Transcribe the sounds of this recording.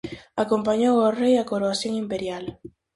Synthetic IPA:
akompaɲoworejakoɾoasjoŋimpeɾjal

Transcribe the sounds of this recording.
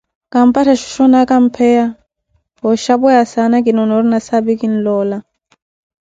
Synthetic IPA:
kam̩patʰaʃu̥ʃɔnakam̩pʰɛa | ɦɔʃabɔjasanak̬inɔnɔɾinasabikin̩lɔːla

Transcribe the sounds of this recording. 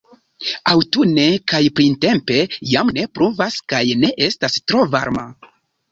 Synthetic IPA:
awtune̞kajpɾinte̞mpe̞jamne̞pɾuvaskajne̞ʔe̞stastɾo̞va̰ɾma̰

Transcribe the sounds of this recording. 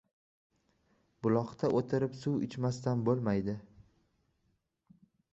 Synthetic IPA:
b̥ʊlˠɒχt̪ʰaʔot̪ʰɪɾɪpsʊwɪ̰t͡ʃmast̪anbolˠmajd̪ɪ

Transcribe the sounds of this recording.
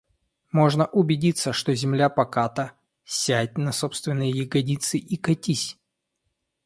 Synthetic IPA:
mo̞ʐnəʔʊbʲɪdʲit̪sːəʂt̪ozʲɪmlʲapɐkat̪ə | sʲæt̚ʲnɐso̞pst̪vʲɪnːɨjəjɪɡɐdʲit̪sɨʔikɐtʲisʲ

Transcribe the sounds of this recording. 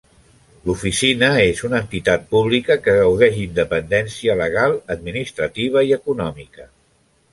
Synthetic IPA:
lufisinəezunənt̪it̪at̪̚puβ̞likəkəɣəwðɛʃind̪əpənd̪ɛnsiələɣ̞alˠəd̪minist̪ɾət̪iβ̞əiəkunɔmikə

